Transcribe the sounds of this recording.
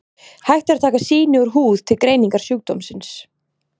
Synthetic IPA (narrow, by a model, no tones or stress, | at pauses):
hajxt̪ɪɾat̪ʰaːkasiːnɪʏɾɦuːð̥t̪ʰɪlkɾeːjniŋkaɾ̥sjuːk̚t̪owmsɪns